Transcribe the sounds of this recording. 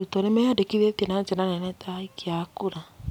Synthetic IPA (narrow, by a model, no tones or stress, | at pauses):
utɔnɛmɛjadekiðetenad͡ʒenanɛnɛtaikeakuɾa